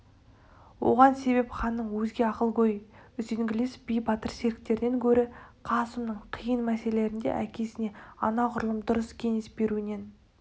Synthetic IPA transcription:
wo̞̰ʁɑnse̞βe̞pχɑnːəɴwɵzɡʲe̞ɑqəlˠɡʲɵjʏzeŋɡʲɪlesb̥ijbɑt̪əɾse̞ɾɪk̚t̪e̞ɾɪne̞ŋkʲʰɵɾɪqʰɑsəmnəɴqʰijənmæse̞lee̞ɾɪnd̪ḛʔækʲʰe̞sɪne̞ɑnɑqʰʊɾəlˠəmd̪ʊɾəskʲʰe̞ŋe̞sbe̞ɾuɪne̞n

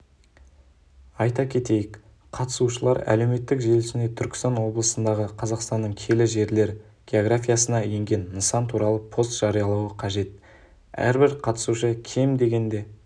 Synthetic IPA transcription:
ɑjt̪ɑkʲʰe̞t̪e̞jɪk | qʰɑt̪ə̥suʃəlˠɑɾæ̰le̞wme̞t̪ːɪkʒe̞lɪʃɪne̞t̪ʰʏɾkʲɪ̥st̪ɑnwo̞blˠəsənd̪ɑʁəqʰɑzɑqst̪ɑnːəɴkʲʰe̞lɪʒe̞ɾle̞ɾ | ɡʲe̞o̞ɡɾafʲijasənɑje̞ŋɡʲe̞nːəsɑnt̪ʰuɾɑlˠəpʰo̞st̪ʒ̥ɑɾijɑlˠɑwəqʰɑʒe̞t̪̚ | æ̰ɾbɪɾqʰɑt̪ə̥suʃəkʲʰe̞md̪e̞ɡʲe̞nd̪e̞

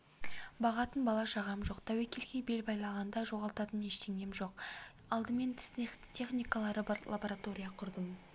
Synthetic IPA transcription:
bɑʁɑt̪ənbɑlˠɑʃɑʁɑmʒo̞qt̪ʰæwekʲe̞lkʲejbe̞lbɑjlˠɑʁɑnd̪ɑʒo̞ʁɑlˠt̪ɑt̪əne̞ʃt̪e̞ŋɡʲe̞mʒo̞q̚ | ɑlˠd̪əme̞nt̪ʰɪ̥snet̪ʲʰe̞χnijkalˠɑɾəblˠa̰boɾat̪o̞ɾʲijɑqʰʊɾd̪əm

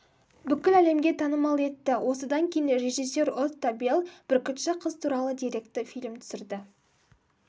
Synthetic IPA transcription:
bʏkʲːɪlæle̞mɡʲe̞t̪ʰɑnəmɑlˠe̞t̪ːɪwʔo̞səd̪ɑŋkʲʰejɪnre̞ʒijs̬ːo̞ɾʊt̪ːɑbelˠb̥ɪɾkʲʰʏt̪ʃɪqʰəzt̪ʰuɾɑlˠəd̪iɾe̞kt̪ɪfijlmt̪ʰʏ̥sɪɾd̪ɪ

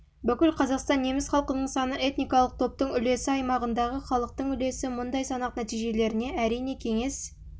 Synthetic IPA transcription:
bʏkʲɪlqʰɑzɑqst̪ɑnːe̞mɪsχɑlˠqənəɴsɑnəʔe̞t̪nijkɑlˠəq̚t̪ʰo̞p̚t̪əɴʏle̞sɪɑjmɑʁənd̪ɑʁəχɑlˠəq̚t̪əɴʏle̞sɪmʊnd̪ɑjsɑnɑqnæt̪ijʒe̞le̞ɾɪne̞æɾijne̞kʲʰe̞ŋe̞s

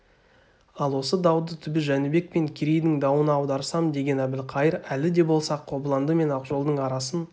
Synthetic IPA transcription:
ɑlˠwo̞səd̪ɑwd̪ət̪ʰʏbɪʒænɪbe̞k̚pe̞ŋkʲʰiɾejd̪ɪŋd̪ɑwənɑwd̪ɑɾsɑmd̪e̞ɡʲe̞næbɪlqʰɑjəɾælɪd̪e̞bo̞lˠsɑqʰːo̞blˠɑnd̪əme̞nɑqʒo̞lˠd̪əɴɑɾɑsən

